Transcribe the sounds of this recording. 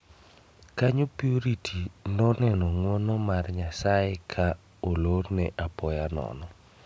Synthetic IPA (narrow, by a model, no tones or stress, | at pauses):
kaɲopioɾitʰinɔnɛnɔŋwɔnɔmarɲasaɪkʰa | olornɛʔapɔjanɔ̰nɔ